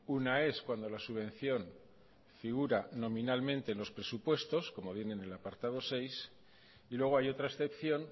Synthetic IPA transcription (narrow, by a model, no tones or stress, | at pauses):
unae̞skwand̪o̞lasuβẽ̞n̟θjo̞n | fiɣ̞uɾanõ̞mĩnalmẽ̞nt̪e̞ːnlo̞spɾe̞supwe̞st̪o̞sko̞mo̞βje̞ne̞ne̞lapaɾt̪aðo̞se̞js | ilwe̞ɣ̞o̞ajot̪ɾaesθe̞pθjo̞n